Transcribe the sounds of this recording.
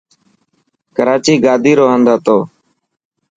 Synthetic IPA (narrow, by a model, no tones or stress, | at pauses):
kəɾaːt͡ʃiːɡaːd̪ʱiːɾoːɦənd̪ʱaːt̪oː